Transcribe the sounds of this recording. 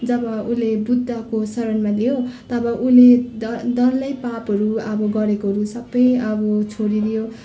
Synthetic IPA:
d͡zʌbʌulebud̪ʱːakosʌɾʌnmalijot̪ʌbʌʔuleʌd̪ʌllʌjpapɦʌɾuʌbʌɡʌɾekoɦʌɾusʌbːʌjʌbʌt͡sʰoɽiɾijo

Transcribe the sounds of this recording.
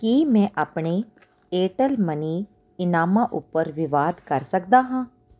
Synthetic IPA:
kimɛ̃ʔaːpɳe | eːʈəlməniː | ɪnaːmãʔʊpːəɾʋɪʋaːd̪kəɾsəkd̪aɦãː

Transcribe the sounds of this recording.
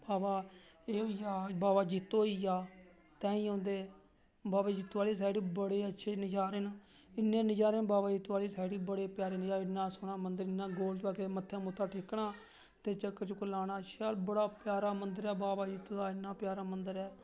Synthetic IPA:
baːbaːeːɦoːijaːbaːbaːd͡ʒit̪ːoːiːjaː | t̪ɛ̃ːĩːãːnd̪eː | baːbaːd͡ʒɪt̪ːaːliːs̬aːjɽiːbəɽeːətːʃʰeːnɪd͡ʒaːɾeːnaɪnːẽːnɪd͡ʒaːɾeːnbaːbaːd͡ʒɪt̪ːaːliːsaːɽiːbəɽeːpjaːɾeːnɪd͡ʒaːɪnːãːsʊɽaːmənd̪əɾɪnːãːɡoːlt̪aːkeːmət̪ʰːẽːmʊt̪ʰːaːʈʰɪkɳaː | t̪eːt͡ʃəkːəɾt͡ʃkʊlaːɽaːʃaːlbəɽaːpjaːɾaːmənd̪əɾɛːbaːbaːd͡ʒɪt̪ːoːaːɪnːaːpjaːɾaːmənd̪əɾɛː

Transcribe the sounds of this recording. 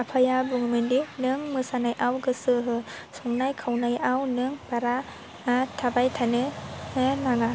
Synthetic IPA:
apʰajabuŋmɯndinɯŋmɯsanajʔawɡɯsɯɦɯsɔŋnajkʰawnajawnɯŋb̥aɾa | tʰabajtʰanɯhɯnaŋa

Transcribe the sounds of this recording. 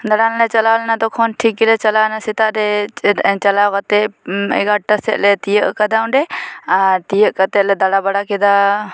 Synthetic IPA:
d̪aɽanlɛt͡ʃalalɛnat̪ɔkʰɔnʈʰikːilɛt͡ʃalanasit̪aʔɾɛ | t͡ʃalawkat̪ɛɛ̰ɡaʈəsɛ̰t̪̚lɛt̪ijəʔkad̪aũɳɖɛaɾt̪ijəʔkət̪ɛt̪̚lɛd̪aɽabaɽakɛd̪a

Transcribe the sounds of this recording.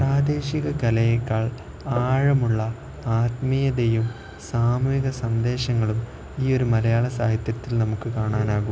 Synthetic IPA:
praːd̪e̞ːɕiɣɐkɐlɐjɐkːaːɭ | aːɻɐmuɭːɐ | aːt̪mijɐd̪ejum | saːmuiɣɐsɐnd̪e̞ːɕɐŋːɐɭum | iːo̞ɾumɐlɐjaːɭɐsa̰ːɦ̪it̪jɐt̪ːilnɐmukːɨkaːɳaːnaːɣu

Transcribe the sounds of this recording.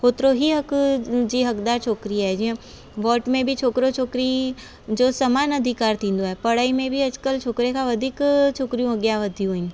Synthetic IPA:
hoːt̪ɾoɦiɦɐkd͡ʒiɦɐkd̪aːɾt͡ʃʰoːkɾiɦɛd͡ʒĩ | ʋɔːʈmẽbʱit͡ʃʰoːkɾot͡ʃʰoːkɾi | d͡ʒoːsɐmaːnɐd̪ʱɪkaːɾt̪ĩːnd̪oɦɛpɐɽaːimẽbʱiɐd͡ʒkəlt͡ʃʰoːkɾekaʋɐd̪ʱiːkt͡ʃʰoːkɾijũɐɡjaʋɐd̪ʱjũɦoĩn

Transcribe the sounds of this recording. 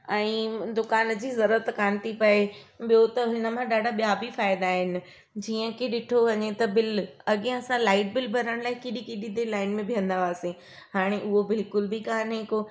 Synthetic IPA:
ɛ̃ːd̪ʊkaːnd͡ʑiːzɐɾuɾət̪kaːnt̪ipɐeɓijot̪ɐɦɪnə̆mãɗaːɖʱaɓijabifaːɪd̪aːɦɪnɪ̆ | d͡ʑiːə̃kʰeɗɪʈʰoʋɐɲet̪ɐbɪlɐɠẽɐsãlaːɪʈ̚bɪlbʱɐɾəɽ̃laːɪkɪɗikɪɗid̪elaːɪnmẽbʱijə̃nd̪aʋaːse | haːɽ̃eʔʊɦobɪlkʊlbʱikaːniko

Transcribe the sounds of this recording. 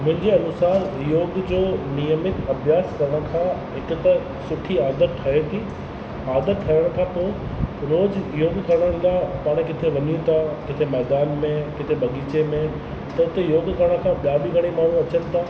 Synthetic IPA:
mʊ̃ɦɪ̃ɲd͡ʑeɐnʊsaːɾjoːɡd͡ʑoːnijəmɪk̪ɐbʱjaːskɐɾəɽ̃ə̆kʰãːɦɪkʊt̪ɐ | sʊʈʰiaːd̪əɾʈʰɐɦet̪ʰiː | aːd̪əɾʈ̪ʰɐjəɽ̃̆k̪ʰat̪oɾoːd͡ʑjoːɡkɐɾɽəɽ̃laːpaːɽ̃kɪt̪ʰeʋɐɲjũt̪ʰakɪt̪ʰemɛːd̪aːnmẽkɪt̪ʰebɐɠiːt͡ɕemẽ | t̪ɐʊt̪ejoːɡkɐɾəɽ̃kʰãːɓijaːbiɡʱɐɽ̃emaːɳ̤ũɐt͡ɕənɪ̆t̪ʰaː

